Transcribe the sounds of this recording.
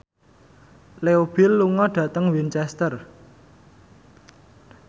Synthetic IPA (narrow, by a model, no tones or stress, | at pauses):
leob̥i̤lːuŋɔɖ̥a̤t̪əŋwint͡ʃɛst̪ər